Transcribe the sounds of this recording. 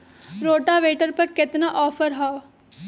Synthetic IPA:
ɾoːʈaʋeːʈəɾpɐɾkɪt̪naʔɔːfəɾɦaː

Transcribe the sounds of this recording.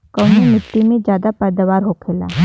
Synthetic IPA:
kəːnemɪʈːimẽd͡ʒjaːd̪apɛːd̪əʋaːɾɦoːkʰeːla̰ː

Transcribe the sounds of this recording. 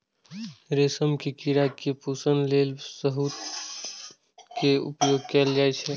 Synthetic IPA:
ɾesəmkekiɾakepusənlelsəɦut̪ | keṵpjoɡ̚kɛld͡ʒaɛt͡ʃʰɛ

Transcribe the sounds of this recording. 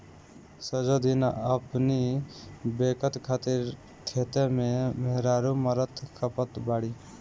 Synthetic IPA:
səd͡ʒod̪ina̰əpni | beːkət̪kʰaːt̪iɾ | t̪ʰeːt̪emẽmeɦɾaɾuməɾət̪ʰkʰəpət̪baːɽiː

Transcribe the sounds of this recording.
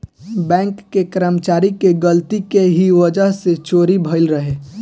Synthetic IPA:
bɛ̃ːŋkːekəɾəmt͡ʃaːɾikeɡəlt̪ikeɦiʋəd͡ʒəɦset͡ʃoːɾibʱəɪlɾəɦeː

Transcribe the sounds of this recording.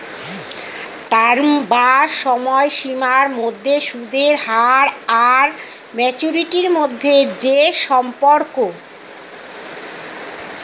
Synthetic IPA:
ʈaɾmbaʃɔmɔeʃimaɾmod̪ʱːeʃud̪eɾhaɾaɾ | mɛt͡ɕuɾiʈiɾmod̪ʱːed͡ʑeʃɔmpoɾko

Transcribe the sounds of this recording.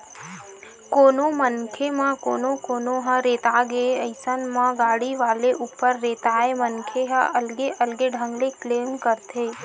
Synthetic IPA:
koːnomənkʰemãkoːnõkoːnoɦãɾeːt̪aːɡeeəɪsənmãɡaːɽiʋaːleʔʊpːəɾːeːt̪aːemənkʰeɦãʔɐlɡeʔəlɡeɖʱə̃ŋɡlekleːmkəɾt̪ʰeː

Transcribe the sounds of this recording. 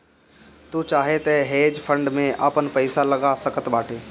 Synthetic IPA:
t̪ut͡ʃaːɦet̪ɛɦeːd͡ʒpʰə̃ɳɖmẽʔapənpəɪsaləɡasəkət̪baːʈʰeː

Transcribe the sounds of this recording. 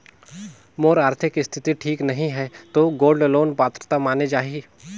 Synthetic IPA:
moːɾaːɾt̪ʰɪkɪst̪ʰɪt̪iʈʰiːknɐɦĩɦɛt̪oːɡoːlɖloːnpaːt̪ɾət̪amaːned͡ʒaːɦiː

